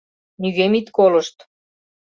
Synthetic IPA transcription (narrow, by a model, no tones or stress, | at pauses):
nyɣemit̪kolə̆ʃt̪